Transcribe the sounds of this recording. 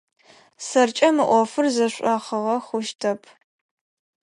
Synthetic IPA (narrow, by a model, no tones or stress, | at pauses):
sɐrt͡ʃʼɐmɨʔʷɔfɨrzɐɕʷʼɐχəʁɐχʷʊʃtʰɐpʰ